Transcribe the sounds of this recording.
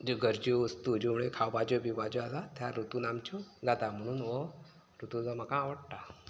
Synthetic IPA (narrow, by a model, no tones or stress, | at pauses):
d͡ʑoɡəɾd͡ʑiʋəst̪ud͡ʑumɭekʰawbad͡ʑɔbibad͡ʑualat̪ʰjaɾut̪unamt͡ɕʰuɡat̪am̤əɽ̃uːnʋɔ | ɾut̪ud͡zɔm̤akãːʋəɽʈa